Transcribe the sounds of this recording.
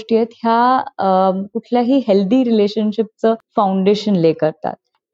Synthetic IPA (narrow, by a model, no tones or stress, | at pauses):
ʈijət̪ɦja | kuʈʰljaɦiːɦeld̪iːɾileɕənɕip̚t͡səfawuɳɖeɕənlekəɾt̪a̰t̪̚